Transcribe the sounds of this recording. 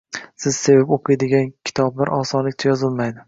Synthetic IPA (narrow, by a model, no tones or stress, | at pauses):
sɪz̥se̞vapoqʰɨjd̪ɪɡʲankʲʰɪ̥t̪ʰɒblaɾʔɒsɒnlɪkʲt͡ʃ̪ʰajɒzɪlˠmajd̪ɪ